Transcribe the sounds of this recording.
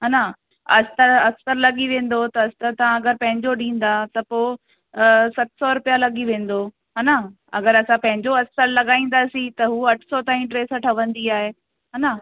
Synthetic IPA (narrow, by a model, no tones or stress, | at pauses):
ɦaːna | ɐ̰st̪əɾɐsəɾlɐɠiʋẽːn̆d̪ot̪ɐɐst̪əɾt̪ɐʋ̤ãɐɡəɾpɐ̃ɦɪ̃ɲd͡ʑoɗĩːn̆d̪at̪ɐpoː | sɐt̪ɪ̥sɔɾʊpijalɐɠiʋẽːn̆d̪o | ɦaːna | ɐ̰ɡəɾɐsãpɐ̃ɦɪ̃ɲd͡ʑoɐksəɾlɐɠaːĩːn̆d̪asĩt̪ɐɦuːɐʈʰsɔt̪ãːĩʈɾeːsəʈʰɐʋə̃nd̪iaːɦeː | ɦaːna